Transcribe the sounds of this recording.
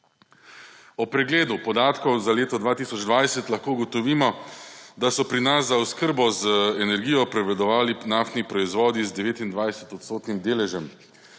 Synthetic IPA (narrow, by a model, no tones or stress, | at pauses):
ɔpɾɛɡleːd̪upɔd̪aːt̪kɔwzaleːt̪ɔd̪ʋaːt̪isɔd͡ʒd̪ʋajsɛt̪lɐxkoːuɡɔt̪ɔʋiːmɔd̪asɔpɾinasːauskəɾbɔzɛnɛɾɡijɔpɾɛʋɛd̪ɔʋaːlinaft̪nipɾɔizʋɔːd̪izd̪ɛʋeːt̪ind̪ʋajsɛt̪ɔt̪st̪oːt̪nimd̪eːlɛʒɛm